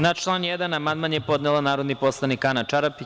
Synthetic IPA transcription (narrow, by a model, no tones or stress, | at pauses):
nat͡ʃlˠanjɛd̪anamand̪manjepo̞d̪nelˠanaːɾod̪nipo̞slˠanikanat͡ʃaɾapi